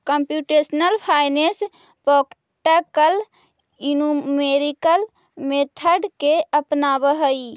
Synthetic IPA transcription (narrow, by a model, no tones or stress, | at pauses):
kəmpjuʈesnəlpʰajnes | pɔk | ʈəkəl | inumeɾikəl | met̪ʰəɖkeʔəpnabəɦəj